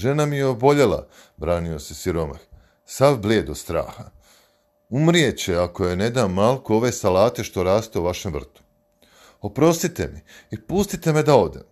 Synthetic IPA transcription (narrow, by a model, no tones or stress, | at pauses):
ʒe̞namijeo̞bo̞ʎe̞la̰ | bɾaːnio̞se̞siɾo̞ma̰x | saʋbleːd̪ost̪ɾa̰ːxa | umɾije̞t͡ɕeako̞je̞ne̞d̪amːalkoo̞ʋe̞ːsalaːt̪e̞ʃt̪o̞ɾaːst̪e̞uʋaʃe̞mvr̩t̪u̥ | o̞pɾo̞st̪it̪e̞̰miipust̪it̪e̞me̞d̪ao̞d̪em